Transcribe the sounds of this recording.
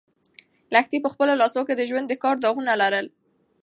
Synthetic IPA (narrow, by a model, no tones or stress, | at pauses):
laxt̪ipəxpəlolɑsoked̪əʒwand̪ːəkɑɾd̪ɑɣunalaɾəl